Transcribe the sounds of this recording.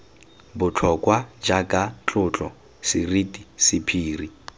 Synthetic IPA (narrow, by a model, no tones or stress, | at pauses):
bʊt͡ɬʰɔkʼwad͡ʒakʼat͡ɬʼʊt͡ɬʼɔ | sɪritʼisɪpʰiːri